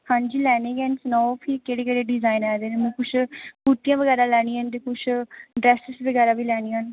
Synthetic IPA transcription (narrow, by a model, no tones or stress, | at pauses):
hãːɲd͡ʒiːlɛːneːɡɛːnsnɔːpʰiːkeːɽeːkeːɽeːɖɪzaːinɛːd̪eːnemũːkʊt͡ʃʰkuːt̪ijãːʋəɡɛːɾaːlɛːɽ̃iːant̪̬eːkʊt͡ʃʰɖɾɛːsɪsʋəɡɛːɾaːbiːlɛːɽ̃ĩːaːn